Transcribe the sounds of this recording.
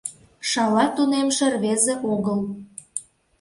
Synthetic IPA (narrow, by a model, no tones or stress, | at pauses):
ʃɑlɑt̪unemʃĕrβezeʔoɣəl